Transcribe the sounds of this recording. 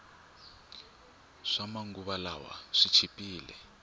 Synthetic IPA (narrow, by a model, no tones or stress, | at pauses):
ʂamaŋɡuβalawa̰ʂit͡ʃʰipʼiːlɛ̰